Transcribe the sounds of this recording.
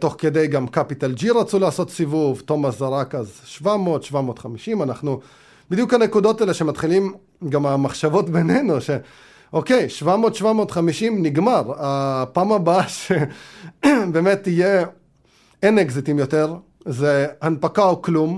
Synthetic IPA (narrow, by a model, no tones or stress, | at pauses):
t̪o̞χked̪e̞jɡamkapit̪ald͡ʒiʁat͡sulaːso̞t̪sivuvt̪o̞masaʁakazʃvamo̞ːt̪ʃvamo̞ːt̪χamiʃimanaχnu | bid̪jukhanekudo̞taeleʃe̞mat̪χilim | ɡamamaχʃavo̞tbe̞nenuʃe̞ | ʔo̞ke̞jʃvamo̞t̪ʃvamo̞ːtχamiʃimniɡmaʁapaːmabaʃe | beːme̞tːije | eneɡzitimjote̞ʁ | zehanpakaoklum